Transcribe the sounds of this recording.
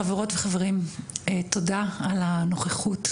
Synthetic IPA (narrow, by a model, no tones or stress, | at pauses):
aveʁo̞tveχaveʁimto̞daalano̞χeχut